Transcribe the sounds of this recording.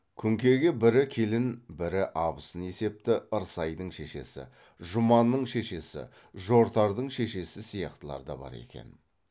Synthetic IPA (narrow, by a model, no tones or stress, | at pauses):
kʲʰʏŋkʲe̞ɡʲe̞bɪɾɪkʲʰe̞lɪnbɪɾɪʔɑbəsəne̞se̞p̚t̪ɪəɾsɑjd̪əɴʃe̞ʃe̞̰sɪ̰ | ʒʊmɑnːəɴʃe̞ʃe̞sɪ̰ | ʒo̞ɾt̪ɑɾd̪əɴʃe̞ʃe̞sɪsijɑqt̪əlˠɑ̰ɾd̪ɑ̰bɑ̰ɾe̞̰kʲe̞̰n